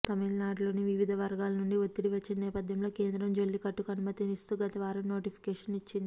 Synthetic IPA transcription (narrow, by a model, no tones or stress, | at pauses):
t̪ɐmilnaːɖlo̞ːniʋiʋid̪ʱɐʋɐɾɡaːlɐnuɳɖiot̪ːiɽiʋɐt͡ʃːennɛːpɐd̪ʱjɐmlo̞ːke̞ːnd̪ɾɐmd͡ʒolːikɐʈːukɐnumɐt̪inist̪uːɡɐt̪ɐʋaːɾɐmno̞ːʈipʰi̥kɛːʂɐnit͡ʃːind̪ii